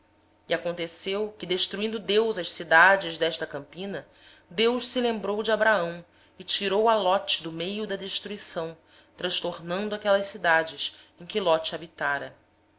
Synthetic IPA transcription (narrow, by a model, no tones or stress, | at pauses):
iakõnt̪esewkɪd̪eʃt̪ɾuĩnd̪ʊd̪ewzɐʃsid̪ad͡ʒɪʒd̪ɛʃt̪ɐkɐ̃mpĩnɐ | d̪ewʃsɪlẽmbɾowd͡ʒɪabɾaɐ̃w̃ | ɪt͡ʃiɾowɐlɔt͡ʃɪ̥d̪ʊmejʊd̪ɐd̪eʃt̪ɾuisɐ̃w̃ | t̪ɾɐ̃ʃt̪oɾnɐ̃nd̪ʊakɛlɐʃsid̪ad͡ʒɪsẽj̃kʲɪlɔt͡ʃabit̪aɾɐ